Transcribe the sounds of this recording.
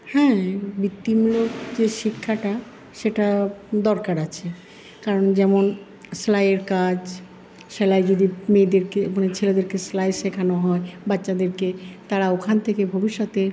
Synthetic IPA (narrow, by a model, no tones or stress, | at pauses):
hɛ̃bit̪ːimlokd͡ʑeʃikʰːaʈa | ʃeʈad̪ɔɾkaɾat͡ɕʰe | kaɾond͡ʑɛmon | slajeɾkad͡ʑ | ʃɛlajd͡ʑod̪imed̪eɾkemanet͡ɕʰeled̪eɾkeslajʃekʰanoɦɔebatːɕad̪eɾket̪aɾaokʰant̪ʰekebʱobiʃːot̪e